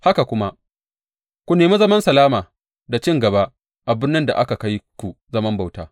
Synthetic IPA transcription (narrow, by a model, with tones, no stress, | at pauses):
ha˦ka˨kʷʊ˦ma˦ | kʷu˦neː˨mu˦zɐ˦mɐ˦nsɐ˨laː˦maː˨ | da˨t͡ʃɪ˦ŋɡɐ˨ba˦ | ʔa˨bɪ˦nːɐ˦nda̰˨ʔa˦ka˨ka˦jkʷu˨zɐ˦mɐ˦mba˨wtaː˦